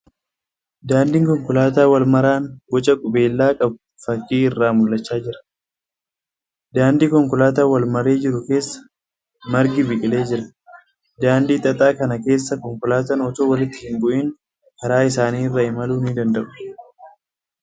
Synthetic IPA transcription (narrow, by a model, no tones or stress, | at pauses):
d̪aːnd̪iːŋkɔŋkʊlaːt̪̬aːwɐlmɐɾaːnbɔt͡ʃʼɐkʼʊbe̞ːlːaːkʼɐb̚ | fɐkːiːɪrːaːmʊlːɐt͡ʃːaːd͡ʒɪɾɐ̥ | d̪aːnd̪iːkɔŋkʊlaːt̪aːwɐlmɐɾe̞ːd͡ʒɪɾʊke̞ːsːɐ̥ | mɐɾɡɪbɪkʼɪle̞ːd͡ʒɪɾɐ̥ | d̪aːnd̪iːt̪ʼɐt̪ʼaːkɐnɐke̞ːsːɐkɔŋkʊlaːt̪ɐnɔt̪oːwɐlɪt̪ːɪhɪŋɡʊʔiːn | kʰɐɾaːɪs̬aːniːɪrːɐɪmɐluːnid̪ɐnd̪ɐʔʊ̥